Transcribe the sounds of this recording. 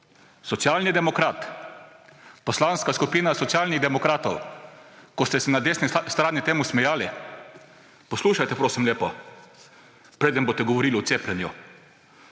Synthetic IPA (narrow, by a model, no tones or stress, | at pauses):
sɔt̪sjaːlnid̪ɛmɔkɾaːt̪ | pɔslanskaskupiːnasɔt̪sjaːlniɣd̪ɛmɔkɾaːt̪ɔ̰w | kɔst̪ɛsɛnad̪eːsnist̪ɾaːnit̪eːmusmɛjaːli | pɔsluːʃajt̪ɛpɾoːsimleːpɔ | pɾeːd̪ənboːt̪ɛɡɔʋɔɾiːliʊt̪seːplʲɛnju